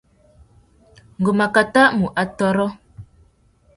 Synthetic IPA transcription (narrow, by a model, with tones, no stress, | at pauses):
ŋ̩˨ɡo˨ma˨ka˨ta˦ʔmu˨ʔa˨tɔ˦ɾɔ˦